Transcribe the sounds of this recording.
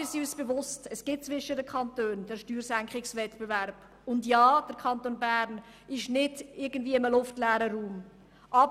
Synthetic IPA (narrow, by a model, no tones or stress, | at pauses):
ɪsiysb̥evʊstəsɡ̥ɪt̚t͡svɪʃədəkʰχɑntøːnd̥əɾʃtyːɾsæŋkχɪksvɛtbevɛɾb̥ | ʊndjɑːd̥əɾkʰɑntoːnbæːɾn | ɪʃnɪdɪɾɡən̩dviːəɪməlʊftlɛːɾəɾuːm | ʔɑb